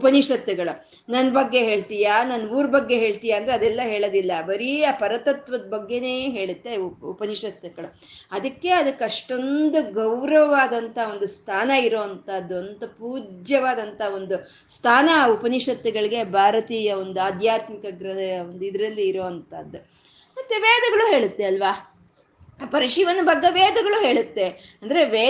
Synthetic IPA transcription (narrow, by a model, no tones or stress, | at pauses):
upɐniʂɐt̪ːɐɡɐɭu | nɐnːbɐɡːe̞ɦe̞ːɭt̪ijaːnɐnːuːɾbɐɡːe̞ɦe̞ːɭt̪ijaːnd̪ɾɛɐd̪ɛlːɐɦe̞ːɭɐd̪ilːɐbɐɾiapɐɾɐt̪ɐt̪ʋɐd̪ɐbɐɡːe̞ne̞ːɦe̞ːɭut̪ːe̞upɐniʂɐt̪ːɐɡɐɭu | ɐd̪ɐkːe̞ɐd̪ɐkɐʂʈo̞nd̪uɡɐwɾɐʋɐʋaːd̪ɐnt̪ʰɐɐo̞nd̪ust̪ʰaːnɐiɾoːɐnt̪aːd̪ːuɐnt̪ɐpuːd͡ʒjɐʋaːd̪ɐnt̪ɐɦo̞nd̪u | st̪ʰaːnɐupɐniʂɐt̪ːɐɡɐɭiɡe̞bʱaːɾɐt̪iːjɐond̪uaːd̪ʱjaːt̪mikɐɡɾɐeɐond̪uid̪ɐɾɐlːiːɾoːɐnt̪a̰ːd̪ːu | mɐt̪ːeʋeːd̪ɐɡɐɭuɦe̞ːɭut̪ːeɐlʋaː | pɐɾiʂiʋɐnːɐbʱɐɡːɐʋeːd̪ɐɡɐɭuːɦe̞ːɭut̪ːeɐnd̪ɐɾe̞ʋeː